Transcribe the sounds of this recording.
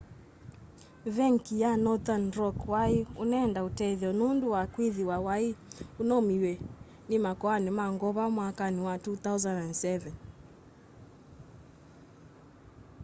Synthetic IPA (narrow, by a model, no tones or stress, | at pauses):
vɛŋkijanɔt̪anɾɔkwaiunaɛːndautɛðɔnunduwakwiðiwawaiunɔmiwɛ | nimakɔanɛmaŋɡɔβamwakaniwatuθauzanansɛvɛn